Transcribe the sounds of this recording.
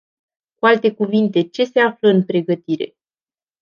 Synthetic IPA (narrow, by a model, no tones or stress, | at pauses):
kualt̪e̞kuvint̪e̞t͡ʃe̞se̞afləɨnpɾe̞ɡət̪iɾe̞